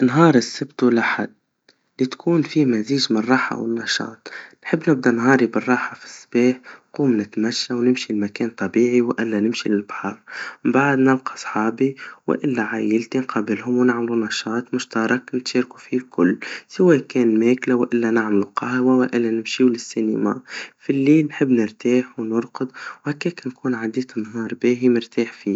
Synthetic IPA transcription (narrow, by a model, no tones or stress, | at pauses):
nɦɑːɾˤɪsːɪbt̪ulaħad̪̚ | lit̪kʰuːnfimæziːʒmnɨrˤːɑːħa̰wɪ̰nːɑʃɑ̰ːt̪ˤnħɪbːnɪb̚d̪ænɦɑːɾibərˤːɑːħafi̥sːb̥ɛːħquːmnɪt̪mæʃːawnɪmʃilmækɛːnt̪ˤːɑbiːʕiwʔɪlːænɪmʃilɪlbħɑːɾˤbaʕd̪nɪlqɑ̥sˤħɑːbiwɪ̰ʔɪlːæʕajɪlt̪inqɑːbɪlhʊmwnaʕmlunɑʃɑːt̪ˤmʊʃt̪ɑɾˤɑknɪt̪ʃɑːɾku̥filkʰʊlːsɪwɛːkɛːnmæːklawʔɪlːænaʕmluqɑhwawaʔɪlːænɪmʃiːwlɪsːinḭma̰filːiːlnħɪbːnɪɾt̪aːħwnʊɾqʊd̪whækːɛːknkuːnʕad̪iːt̪ɪnːɦɑːɾˤbæːɦimɪɾt̪aːħfiː